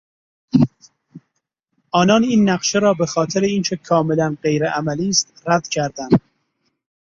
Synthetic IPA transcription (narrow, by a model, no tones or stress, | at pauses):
ʔɒːnɒːniːnːæqʃeɾɒːbe̞xɒːt̪ʰeɾeiːnt͡ʃʰe̞kʰɒːme̞lænɢe̞jɾeʔæmæliːst̪ɾæd̪̥cʰæɾd̪ænd̪̥